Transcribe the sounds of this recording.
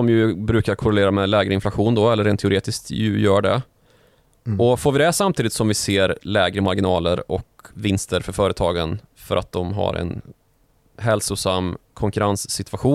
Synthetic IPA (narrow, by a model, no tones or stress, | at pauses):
ɔmjɵbɾʉ̟ːkaɾkʰʊɾɛleːɾamɛlɛːɡɾəɪnflaɧuːnd̪ɔɛlːəɾeːnt̪ʰɛʊɾeːt̪ɪskt̪jɵjœːɖɛ̰ | ɔfoːɾvɪd̪ɛsamt̪ʰiːd̪ɪt̪sɔmvɪseːɾlɛːɡɾəmaɾɡɪnɑːləɾɔ̰kvɪnst̪əɾfœɾfœːɾət̪ʰɑːɡən | fœɾʔa̰t̪̚d̪ɔmɦa̰ɾɛ̰n | ɦɛlsʊsamːkʰɔŋkɵɾansːɪt̪ʰvaɧuː